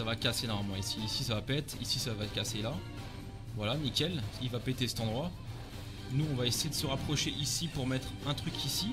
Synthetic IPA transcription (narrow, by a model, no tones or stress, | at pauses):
savakasenɔmamɑ̃isiːsisavapɛt̪χisisavat̪kasela | vwalanikʲɛlilvapet̪esɛ̥t̪ɑ̃d̪ʁwa | nuɔ̃vaesejed̪əsəʁapχɔʃeʔisipuʁmɛt̪χɛ̃t̪χykʲʰisi